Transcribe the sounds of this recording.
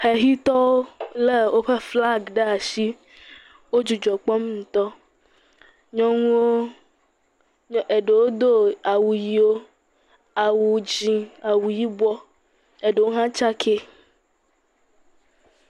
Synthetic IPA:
he˨ɦi˦t̪ɔ˦wo˦le˦wo˦ɸe˦fla˦ɡɖe˦a˨ʃi˦ | wo˦d͡ʒu˨d͡ʒɔ˨k͡pɔ˦m˦ŋũ˨t̪ɔ˦ | ɲɔ̃˦ŋũ˦wo˦ | ʔe˨ɖe˨wo˦d̪o˦a˨wu˨ji˦wo˦ | a˨wu˨d͡ʒĩ˨a˨wu˨ji˦bɔ˦ | e˨ɖe˨wo˦ɦã˦t͡ʃa˦kʰe˦

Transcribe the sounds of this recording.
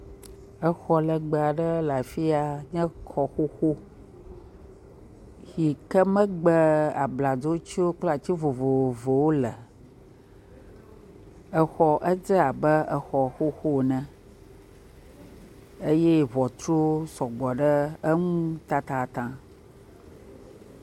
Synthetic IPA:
ə˦xɔ˦lə˨ɡ͡bə˨a˨ɖə˦la˨fi˦a˨ɲɛ̃˦kʰɔ˨xo˦xo˦ | hi˨kə˦mə̃˦ɡ͡bə˦a̰˨bla˨d͡zo˦t͡ɕi˦wo˦k͡pla˨t͡ɕi˦vo˨vo˨vo˨wo˦lə˨ | ə˨xɔ˨ʔə˦d͡zə˦a˨bə˦ə˨xɔ˨xo˦xo˦˨nə̃˨ | e˦je˦βɔ˨t̪ɾo˦sɔ˨ɡ͡bɔ˨ɖə˦ə˦ŋũ˦t̪a˦t̪a˨t̪ã˨

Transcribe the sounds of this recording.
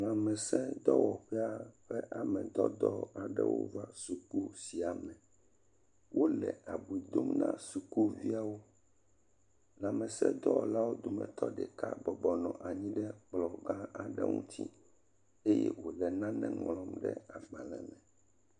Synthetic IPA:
ŋã˨mɛ̃˨sɛ̃˦d̪ɔ˦wɔ˨ɸɛ˦a˦ɸɛ˦ʔa˨mɛ̃˨d̪ɔ˦d̪ɔ˦a˨ɖɛ˦wo̰˦va˦su˨ku˦si˨a˨mɛ̃˨ | wʔo˦lɛ̰˨a˨bu˨i˨d̪o˦mnã˦su˨ku˦vi˦a˨wo˦ | lã˨mɛ̃˨sɛ̰˦d̪ɔ˦˨la˦wo˦d̪o˨mɛ̰̃˨t̪ɔ˦ɖɛ˨ka˦bɔ˨bɔ˨nɔ̃˨ʔa˨ɲĩ˦ɖɛ˦k͡plɔ˨ɡã˦a˨ɖɛ˦ŋũ˦t̪ʰḭ˦ | e˦jɛ̰˦wo˨lɛ˨nã˦nɛ̰̃˦ŋlɔ̃˦mɖɛ̰˦a˨ɡ͡bã˨lɛ˨mɛ̃˨

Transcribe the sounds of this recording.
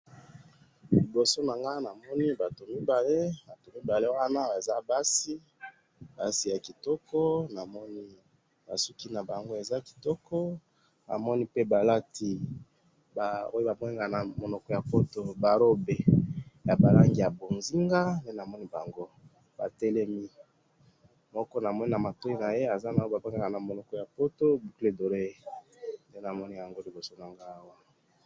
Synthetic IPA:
li˨bo˨so˦na˨ŋɡa˦na˨mɔ˦ni˦ba˨to˨mi˦ba˨le˦ba˨to˨mi˦ba˨le˦wa˦na˦a˨za˦ba˦si˦ | ba˦si˦ja˨ki˨tɔ˦kʰɔ˦na˨mɔ˦ni˦ | ba̰˨su˦ki˦na˨ba˨ŋɡo˦e˨za˦ki̥˨tɔ˦kɔ˦ | ba̰˨mɔ˦ni˦pe˦ba˨la˦ti˨ | ba˨o˦jo˦ba˨mɔ˦ni˦ŋɡa˨na˨mo˨nɔ˨kɔ˦ja˨po˦to˦ba˨ɾo˦be˨ja˨ba˨la˦ŋɡi˦˨ja˨bo˨nzi˦ŋɡa˦nde˦na˨mɔ˦ni˦ba˨ŋɡo˦ | ba̰˨te˦lɛ˦mi˦ | mɔ˦kɔ˦na˨mɔ˦ni˦na˨ma˨to˦i˦na˨je˦a˨za˦na˨˦ba˨ba˦ɡa˦˨ɡa˨na˨mo˨lɔ˨kɔ˦ja˨po˦to˦bu˨ku˦e˨do˨ɾe˦˨nde˦na˨mɔ˦ni˦ja˨ŋɡo˦li˨bo˨so˦na˨ŋɡaː˦wa˦

